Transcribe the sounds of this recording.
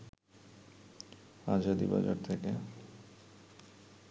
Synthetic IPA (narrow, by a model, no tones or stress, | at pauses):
ad͡ʑad̪ḭba̰d͡ʑoɾt̪ʰeke